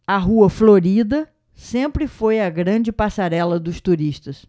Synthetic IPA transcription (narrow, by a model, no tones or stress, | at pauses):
ɐɦuɐfloɾid̪ɐ | sẽmpɾɪfojɐɡɾɐ̃d͡ʒɪpasaɾɛlɐd̪ʊst̪uɾiʃt̪ɐs